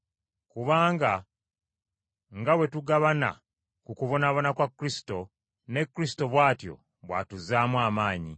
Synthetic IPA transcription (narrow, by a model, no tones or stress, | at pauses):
kuβaːŋɡa | ŋɡawe̞tuɡaβana̰ | kukuβo̞naβo̞nakwakːɾisi̥to̞ | ne̞kːɾisi̥to̞βwaːtjo̞̰ | βwa̰tuzaːmwaːmaːɲḭ